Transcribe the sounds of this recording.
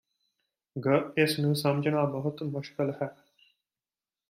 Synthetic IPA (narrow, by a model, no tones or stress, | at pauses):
ɡəesnũːsɐmd͡ʒənaːbəɦut̪mʊʃkəlhɛː